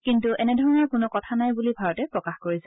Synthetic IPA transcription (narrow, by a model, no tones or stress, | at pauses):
kintuʔɛnɛdʱɔɹɔnɔɹkʊnʊkɔtʰanajbulibʱaɹɔtɛpɹɔkaxkoɹisɛ